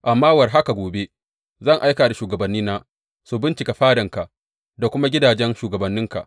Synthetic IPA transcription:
ʔa˨mːaː˦wɐ˨rɦa˦ka˨ɡʷoː˨be˦ | zɐ˦˨ŋʔa˦jkaː˨da˨ʃuː˨ɡɐ˨bɐ˨nːiː˦naː˦ | su˨bɪ˦nt͡ʃɪ˨ka˨ɸaː˦dɐ˨ŋka˨ʔ | da˨kʷʊ˦ma˦ɡʲɪ˦daː˨d͡ʒɛ˦nʃuː˨ɡɐ˨bɐ˨nːɪ˦ŋka̰˨ʔ

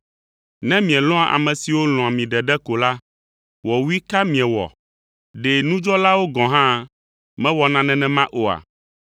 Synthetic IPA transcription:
nɛ̃˦mĩ˨ɛ̃˨lɔ̃˦a˨ʔa̰˨mɛ̃˨si˨wo˦lɔ̃˨a˨mĩ˨ɖɛ˨ɖɛ˦ko˨la˦ | wɔ˨wu˦i˦ka˦mĩ˨ɛ̃˨wɔ̰˨ | ɖɛ˨nũ˦d͡ʒɔ˦la˦wo˦ɡɔ̃˨ɦã˦ | mɛ̃˦wɔ˨nã˨nɛ̃˨nɛ̃˨mã˦ʔo˨a̰˨

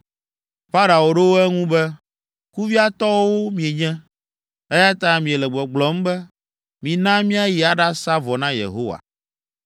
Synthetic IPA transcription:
ɸa˦ɾa˨wo˨ɖe˦wo˦ɛ˦ŋũ˦bɛ˦ | ku˦vi˦a˦t̪ɔ˦wo˦mĩ˨e˨ɲɛ̃˦ | ɛ˦ja˦t̪ã˦mĩ˨e˨lɛ˨ɡ͡bɔ˨ɡ͡blɔ˨˦m̩˦bɛ˦ | mĩ˨nã˦mĩ˦a˦ji˨a˨ɖa˦sa˦vɔ˨nã˦jḛ˨ɦo˦wa̰˨

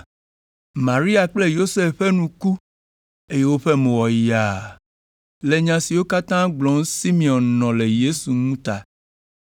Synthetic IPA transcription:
mã˨ɾi˦a˨k͡ple˦jo˦se˦fɸɛ˦nũ˨ku˦ | e˦je˦wo˦ɸɛ˦mẽ˨wɔ˨ji˨a˨ | le˨ɲã˨si˨wo˦ka˦t̪ã˦ɡ͡blɔ˨˦ŋ˦si˦mĩ˨ɔ̃˨nːɔ̃˨le˨je˦su˨ŋũ˦t̪a˨

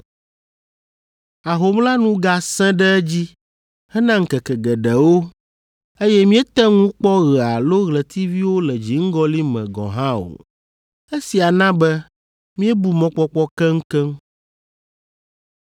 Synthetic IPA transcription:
a˨ɦo˨mla˦nũ˦ɡa˦sɛ̃˦ɖɛ˦ɛ˦d͡ʑi˦ | hɛ˦nã˦ŋ̩˨kɛ˨kɛ˨ɡɛ˨ɖɛ˨wo˦ | e˦jɛ˦mĩ˦ɛ˦t̪ɛ˦ŋũ˦k͡pɔ˦ɣɛ˨a˨lo˦ɣlɛ˨t̪ʰi˦vi˦wo˦lɛ˨d͡ʑi˨ŋ̩˦ɡɔ˦li˦mɛ̃˨ɡɔ̰̃˨ɦã˦o̰˨ | e˦si˨a˨nã˦bɛ˦ | mĩ˦ɛ˦bu˨mɔ̃˨k͡pɔ˦k͡pɔ˦kɛ˦ŋ̩˦kɛ˦m

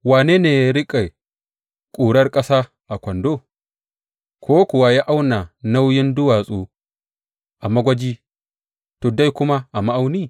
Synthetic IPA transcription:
waː˨neː˦neː˨ja˦ɾɪ˦kʼa˨j | kʷʼuː˨ɽɐ˦rkʼɐ˦saː˦ | ʔa˨kʷɐ˨ndoː˦˨ | kʷʰoː˦kʊ˨wa˦ja˦ʔa˦wna˨na˦wjɪ˦ndʊ˦waː˨sʼuː˦ | ʔa˨mɐ˦ɡʷɐ˦d͡ʒiː˦ | toː˨da˦jkʷʊ˦ma˦ʔa˨ma˦ʔa˦wni˦

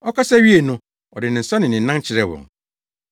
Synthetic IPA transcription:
ɔ˦kʰa˦sa˦ɥi˦e˨nʊ̃˦ | ɔ˨dɪ˨nɪ̃˨n̩˨sa˦nɪ̃˨nɪ̃˨n̩˦nã˦n˦t͡ɕʰɪ˨ɾɛ˦wɔ̰̃˨ŋ

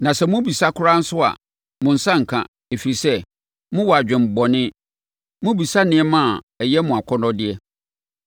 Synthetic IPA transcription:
nã˨sɛ˨mʊ̃˦bi˨sa˦kʰʊ˦ɾa˦n̩˦sʊ˦a̰˨ | mʊ̃˨n̩˨sã˦ŋ̩˨kʰã̰˨ | e˨fi˨ɾi˨sɛ˦ | mʊ̃˦wɔ˨a˨d͡ʑᶣɪ̃˨m̩˨bɔ˨nɪ̃˦ | mʊ̃˦bi˨sa˦nɪ̃˦ɛ˦mã˦˨ | ɛ˨jɛ˦mʊ̃˨a˨kʰɔ˦nɔ̃˦dɪ˦ɛ˦

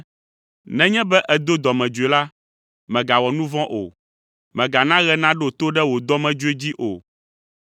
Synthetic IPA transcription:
nɛ̃˦ɲɛ̃˦bɛ˦ʔɛ˨d̪o˦d̪ɔ˨mɛ̃˨d͡ʒu˨e˨la˦ | mɛ̃˨ɡa˨wɔ˨nũ˦vɔ̃˦ʔo̰˨ | mɛ̃˨ɡa˨nã˦ɣɛ˦nã˦ɖɛ˦o˨t̪o˦ɖɛ˦wo˨d̪ɔ˦mɛ̃˨d͡ʒu˦e˦d͡ʑi˦ʔo˨

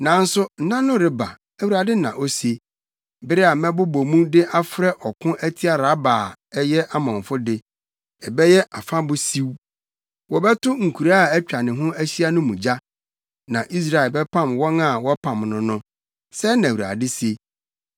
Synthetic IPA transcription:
nã˨n̩˦sʊ˦n̩˦nã˦nʊ̃˦ɾɪ˨ba̰˨ | æ˨wu˨ɾa˨dɪ˦nã̰˨ʔo˦se˨ | bɪ˦ɾɪ˦a˨mɛ̃˦bʊ˦bo˨mũ˦dɪ˦ʔa˦fɾɛ˦ʔɔ˨kʰʊ̃˦ʔæ˦tʰi˦a˨ɾa˨˦baː˨ɛ˦jɛ˦ʔa˦mɔ̃˨ɱ˨fʊ˦dɪ˦ | ɛ˨bɛ˦jɛ˦ʔa˨fã˦bʊ˦si˦w | wɔ˨bɛ˦tʰʊ˦ŋ̩˨kʰu˨ɾa˦˨æ˦t͡ɕᶣa˨nɪ̃˨ɦʊ̃˦æ˦ɕi˦a˦nʊ̃˦mũ˨d͡ʑa˦ | nã˨ʔi˦s̬ɾa˨ɪ˨lbɛ˦pʰã˦˨mwɔ̃˦nã˦˨wɔ˦pʰã˨mnʊ̃˦nʊ̃˦ | sɛ˦nã˨wu˨ɾa̰˨dɪ˦se˦

